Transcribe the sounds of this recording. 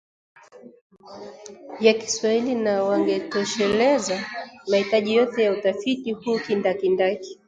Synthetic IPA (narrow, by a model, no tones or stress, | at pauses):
jaki̥swahilinawaŋɡɛtɔʃɛlɛzamahitaʄijɔtɛjautafitihukindakindaki̥